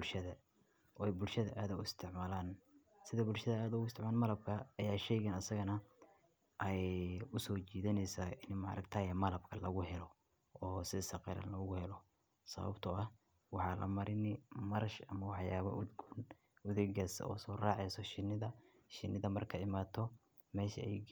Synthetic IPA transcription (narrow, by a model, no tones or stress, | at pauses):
bʊlʃɐðɐ | ɔːɛjbʊlʃɐðɐʔaːðɐʊɪst̪ʰɪʕmaːlaːn | sɪðɐbʊlʃɐðɐaːðʊɣʊɪst̪ʰɪʕmaːnmɐlɐb̚kʰɐːjaːʃɛjɣɛnɐsɐɣɐnɐ | ʔɐjʊsɔːt͡ʃiːðɐnɛjsaːɪnmɐ̰ɾʔɐkt̪ʰaːjɐmɐlɐbkʰɐlɐɣʊɦɛlɔ | ɔːsɪsɐqɛ̰ɾɐ̰nlɐʊɣʊhɛlɔ | sɐ̰βɐ̰bt̪ʰʊɐh | wɑħɑlʔɐ̰mɐɾɪnɪmɐɾɐʃɐmɐwɑħjaːβɐ̰ʔʊd̪ɡʊn | ʊðɛɡɐsɔ̰ːsɔːraːʕɛjsɔʃɪnːɪðɐ | ʃɪnɪðɐmɐrkʰɐɪmaːt̪ʰɔ | mɛːʃɐ̰ɛ̰j